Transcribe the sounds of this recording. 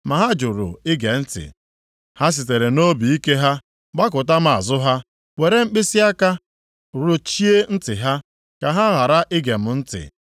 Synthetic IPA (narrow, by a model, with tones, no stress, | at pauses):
ma˨ɦa˦d͡ʒʊ˨ɾʊ̰˨ɪ˦ɡe˨n̩˦tɪ̰˨ | ha˦s̬i˨te˨ɾe˨no˦bi˨i˦ke˦ɦa˦ | ɡ͡ba˦k̬ʊ˨ta˦m̩˦a̰˨zʊ˦ɦa˦ | we˨ɾe˦ŋ͡m̩˦k͡pɪ˦si˦a˦ka˦ | ɾʊ˨t͡ʃi˦e˦n̩˦tɪ̰˨ɦa˦ | ka˨ɦa˦ɦa˨ɾa˦ʔɪ˦ɡe˨m̩˦n̩˦tɪ̰˨